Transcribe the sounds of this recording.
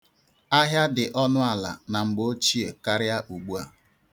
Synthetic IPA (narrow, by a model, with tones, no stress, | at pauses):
a˦ɦja˦dɪ˨ʔɔ˦nʊ˦a˨la̰˨na˨ŋ͡m̩˨ɡ͡bo˦t͡ʃi˦e˨ka˦ɾɪ˦a˦ʔu˨ɡ͡bu˦a̰˨